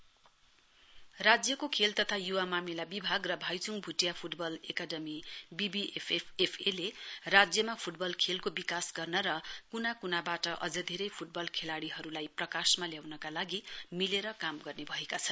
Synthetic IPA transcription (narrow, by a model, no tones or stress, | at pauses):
rad͡zjʌkokʰelt̪ʌt̪ʰajuwamamilabibʱaɡrʌbʱajt͡suŋbʱuʈjapʰuʈbʌlekaɖʌmibibiepʰepʰepʰelerad͡zjʌmapʰuʈbʌlkʰelkobikasɡʌrnʌɾʌkunakunabaʈʌʔʌd͡zʌd̪ʱeɾʌjpʰuʈ̚bʌlkʰelaɽiɦʌɾulajprʌkasmaljawnʌkalaɡimileɾʌkamɡʌrnebʱʌekat͡sʰʌn